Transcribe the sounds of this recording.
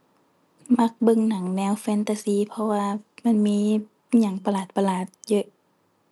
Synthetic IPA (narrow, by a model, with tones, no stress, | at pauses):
ma˧˦k̚bɤ˧˨ŋna˨˩˦ŋnɛː˧˨wfɛː˧˥nt̪a˧siː˧˨pʰɔ˧waː˧ma˧˥˨nmiː˧˥˨ | ɲa˧˩˦ŋpa˧laː˨˩t̪̚pa˧laː˨˩t̪̚jɤ˧˨ʔ